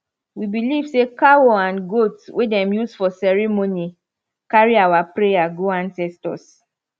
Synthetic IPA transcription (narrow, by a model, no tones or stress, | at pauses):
wibilivsekawoãnɡotswʔedɛ̃mjusfɔsɛɹɛmoni | kaɹiawapɹejaɡoãnsɛstɔ̰s